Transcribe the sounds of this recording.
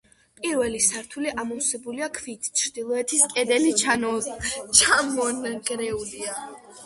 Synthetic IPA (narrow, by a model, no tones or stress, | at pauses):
pʼiɾvɛlisaɾt̪ʰuliʔamɔsɛbuliakʰviːt̪ʰt͡ʃʰɾd̪ilˠɔɛt̪ʰiskʼɛd̪ɛlit͡ʃʰanɔt͡ʃʰamɔnɡɾɛulia